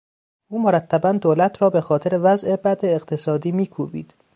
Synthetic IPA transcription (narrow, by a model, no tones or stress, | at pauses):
ʔuːmoɾæt̪ʰːæbænd̪oːlæt̪ʰɾɒːbe̞xɒːt̪ʰeɾevæzʔe̞bæd̪eːqt̪ʰesɒːd̪iːmiːkʰuːbḭːd̪̥